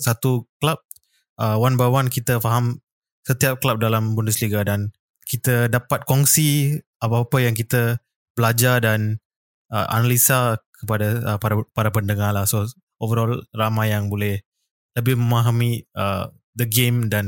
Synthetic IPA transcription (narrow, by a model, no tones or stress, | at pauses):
sat̪uklap̚ | ʔəwanbawankit̪əfaɦam | sət̪iap̚klap̚dalambundʊsliɡadan | kit̪ədapat̪̚kɔŋsi | apapəjaŋkit̪ə | bəlad͡ʒadan | əʔa̰nalisakəpadaəpaɾpaɾapəndəŋalahso | ʔovəɾɔlramãjjaŋbolɛh | ləbɪhməmaɦamĩə̰ | dəɡemdan